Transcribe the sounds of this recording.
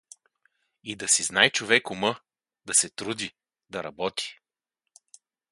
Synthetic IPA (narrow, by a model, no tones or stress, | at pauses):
id̪ɐsiznajt͡ʃovɛkʊmɤ | d̪ɐsɛt̪ɾud̪i | d̪ɐɾɐbɔt̪i̥